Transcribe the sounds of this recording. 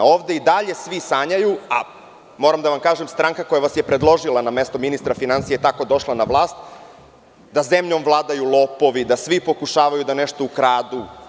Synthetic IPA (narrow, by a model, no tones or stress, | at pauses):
o̞ːʋd̪e̞id̪aʎe̞sʋisaːɲajua̰ | moɾamd̪aʋamkaːʒemst̪ɾaŋkakojaʋasjepɾe̞d̪lˠo̞ʒilˠaname̞st̪ominist̪ɾafinansijet̪ako̞d̪o̞ʃlˠanaʋlˠaːst̪ | d̪aze̞mʎomvlˠaːd̪ajulˠo̞ːpo̞ʋid̪asʋipo̞kuʃaːʋajud̪aneʃt̪o̞ukɾaːd̪u